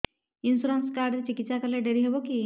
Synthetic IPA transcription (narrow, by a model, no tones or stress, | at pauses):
insuɾanskaɾɖɾet͡ʃikit̪ːsakəɾleɖeɾiɦeboki